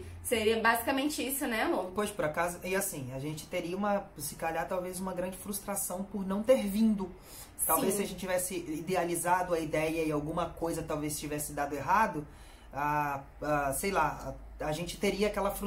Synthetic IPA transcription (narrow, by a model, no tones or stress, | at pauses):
seɾiɐbazikamẽnt͡ʃɪisʊnɛmopojʃpʊɾakazʊʔɪasĩaʒẽnt͡ʃɪ̥t̪eɾiɐũmɐsɪkaʎat̪awvezũmɐɡɾɐ̃nd͡ʒɪfɾust̪ɾasɐ̃w̃pʊɾnɐ̃w̃t̪eɾvĩnd̪ʊ | t̪awvejssɪɐʒẽnt͡ʃɪt͡ʃivɛsɪid̪ealizad̪ʊɐid̪ɛjɐɪawɡũmɐkojzɐt̪awvest͡ʃivɛsɪd̪ad̪ʊeɦad̪ʊ | a | asejla | aʒẽnt͡ʃɪ̥t̪eɾiɐakɛlɐfɾ